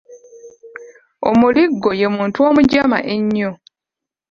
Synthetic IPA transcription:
o̰muliɡːo̞je̞muːntuo̞ːmuɟama̰ʔe̞ɲːo

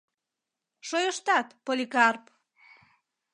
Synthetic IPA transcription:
ʃojəʃt̪ɑt̪polʲikɑrp

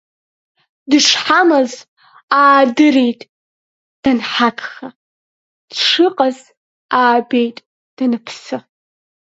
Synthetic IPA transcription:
dɨʂħamaz | aːdɨɾejtʼ | d̥anħakʰʼχa | d̥ʂɨqʼaz | aːbejtʼ | d̥anɨpʰsɨ

